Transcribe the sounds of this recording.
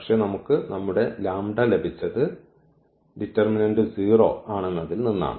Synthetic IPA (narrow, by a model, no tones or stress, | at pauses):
ɐkʂe̞nɐmukːɨnɐmːuɽe̞laːmɖɐle̞bʱit͡ɕːɐðɨ | ɖitːɐrminɐɳɖɨsiːro̞ːkaːɳenːɐðilninːa̰ːɳɨ